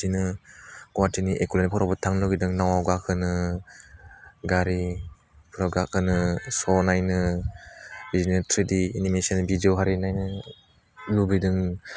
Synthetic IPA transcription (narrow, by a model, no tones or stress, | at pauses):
tinɯɡ̥ɔwatʰiniʔekulanipʰɔɾɔbɯtʰaŋlɔɡidɯŋnawawɡakʰɯnɯ | ɡaɾi | pʰɯɾɔɡakɯnɯsɔnajnɯ | bizinɯtʰɾidiːnimesanbidɔɦaɾinajnɯ | lubidɯŋ